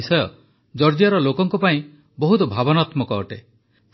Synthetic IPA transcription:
isɔjɔ | d͡ʒɔɾd͡ʒjaɾɔlokɔŋkɔpaĩ | bɔɦut̪ɔbʱabɔnat̪mɔkɔːʈe

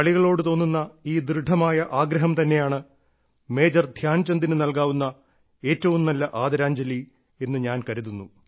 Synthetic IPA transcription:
ɐɭiɣɐɭo̞ːɽɨt̪o̞ːnːunːɐiːd̪rɨɖʱːɐmaːjɐʔaːɡɾɐɦɐmt̪ɐnːe̞jaːɳɨ | me̞ːd͡ʑɐrd̪ʱjaːnt͡ɕɐnd̪inɨnɐlkaːʋunːɐ | e̞ːtːɐʋumnɐlːɐʔaːd̪ɐɾaːɲd͡ʑɐli | e̞nːɨɲaːnkɐɾuðunːu

